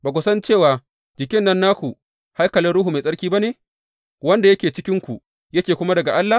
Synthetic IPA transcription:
baː˨k̬ʷʊ˨sɐ˦nt͡ʃeː˦˨waː˨ | d͡ʒɪ˨kʲɪ˦nːɐ˦nːaː˦kʷu˨ | ha˦jkɐ˨lɪ˦nɽʊ˦ɦu˨me˨sʼɐ˦ɽkʲiː˦ba˦neː˨ | wɐ˦nda˨jɐ˦kʲeː˨t͡ʃɪ˦kʲɪ˦ŋkʷu˨ | jɐ˦kʲeː˨kʷʊ˦ma˦dɐ˨ɡa˨ʔa˦lːa˨

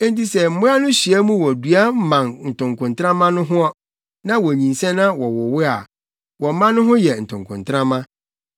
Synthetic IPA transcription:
ɛ˦nti˦sɛ˨m̩˦mʊ̃˦a˦nʊ̃˦ɕi˨ɛ˦mũ˦wɔ˨dɥa˦m̩˦mã˨nn̩˨tʰʊ̃˨ŋkʰʊ̃˨ntʰɾã˦mã˦nʊ̃˦ɦʊ̃˦ɔ˦ | nã˦wɔ˨ɲĩ˨nsɛ̃˦nã˦wɔ˨wɔ˨wɪ˦a˨ | wɔ˨˦mã˦nʊ̃˦ɦʊ̃˦jɛ˨n̩˨tʰʊ̃˨ŋkʰʊ̰̃˨ntʰɾã˦mã˦

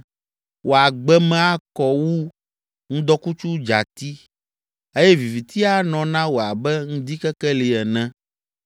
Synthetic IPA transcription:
wʔo˨a˨ɡ͡bɛ˦mɛ̃˦a˦kɔ˦wu˦ | ŋũ˦d̪ɔ˦ku˦t͡ʃu˦d͡ʒa̰˨t̪i˦ | e˦jɛ˦vi˨vi˨t̪ʰi˦a˦nɔ̃˨nã˦wo˨a˨bɛ˦ŋũ˦d̪i˦kɛ˦kɛ˦li˨ɛ˨nɛ̃˦

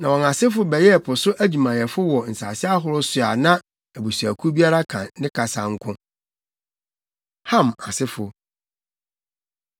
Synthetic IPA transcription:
nã˨wɔ̃˨na˨sɪ˦fʊ˦bɛ˨jɛ˦˨pʰʊ˨sʊ˦ʔæ˦d͡ʑu˨mã˨jɛ˨fʊ˦wɔ˨n̩˨sa̰ː˨sɪ˦a˦ɦʊ˨ɾʊ˦sʊ˨a˨nã˦ | æ˨bu˨su˨æ˨kʰu˦bi˦a˦ɾa˦kʰã̰˨nɪ̃˦kʰa˨sa˨ŋ̩˦kʰʊ̃˦ | hã˦˨ma˨sɪ˦fʊ˨

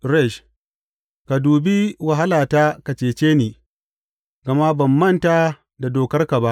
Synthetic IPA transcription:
ɾɛ˦˨ʃ | ka˨duː˨bi˦wɐ˨ɦa˦laː˨ta˦ka˨t͡ʃeː˨t͡ʃeː˦niː˨ | ɡɐ˨ma˦bɐ˨mːɐ˦˨ntaː˨ | da˨doː˨kɐ˦rka˨ba˦ʔ

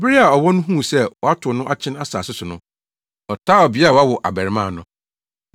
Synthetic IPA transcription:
bɪ˦ɾi˦a˨ɔ˨wɔ̃˦nʊ̃˦ɦũ˦˨sɛ˦wɔ˨a˦tʰʊ˨nʊ̃˦ʔa˦t͡ɕʰɪ̃˦na˦sa̰ː˨sʊ˦sʊ˨nʊ̃˦ | ɔ˨tʰaː˦ɔ˨bɪ˦a˨wa˦wɔ˨ʔa̰˨bɛ˨ɾɪ˨mã˦˨nʊ̃˦

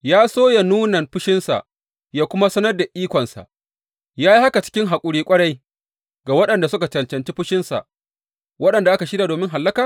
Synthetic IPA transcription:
jaː˦soː˦ja˨nuː˦nɐ˨nɸʊ˦ʃɪ˦nsa̰˨ʔ | jaː˦kʷʊ˦ma˦sɐ˦nɐ˦rda˨ʔiː˦kʷɔ˨nsa̰˨ʔ | jaː˦ji˦ha˦ka˨t͡ʃɪ̥˦kʲɪ˦ŋɦa˨kʷʼʊ˦ɽiː˦kʷʼɐ˦ɽɐ˦j | ɡa˨wɐ˦ɗɐ˨nda˨sʊ˦ka˨t͡ʃɐ˨nt͡ʃɐ˨nt͡ʃiː˦ɸʊ˦ʃɪ˦nsa̰˨ʔ | wɐ˦ɗɐ˨nda˨ʔa˦ka˨ʃɪ˦da˨doː˨mɪ˦ŋɦa˨lːɐ˦kaː˨

